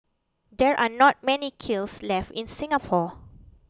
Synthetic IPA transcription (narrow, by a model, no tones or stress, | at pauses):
dɛɹʔanɔt̚mɛnikʰilslɛftĩnsĩŋapʰɔ